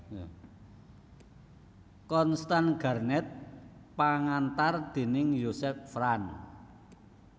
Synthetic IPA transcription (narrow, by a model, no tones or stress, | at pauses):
kɔnst̪anɡ̥a̤rnɛt̪̚paŋant̪ard̪̥e̤nɪŋjosɛf̚fran